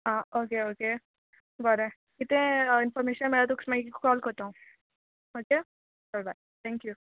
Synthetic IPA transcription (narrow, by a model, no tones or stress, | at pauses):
ɦãːoːkeoːke | bɐɾe | kɪt̪ẽɪnfɔːɾmeːʃənmeːɾat̪oksmãikkokɔːlkɐɾt̪aɦũ | oːke | fɛlbaɪ | t̪ʰɛ̃ːŋkju